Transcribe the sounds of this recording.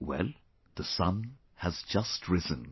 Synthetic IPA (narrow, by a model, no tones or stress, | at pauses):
wɛ̰lˠ | ð̥əsʌ̃n | həzd͡ʒʌstʰɹɪzə̃n